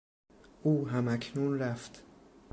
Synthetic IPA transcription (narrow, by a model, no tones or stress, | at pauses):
ʔuːɦæmæcʰnuːnɾæft̪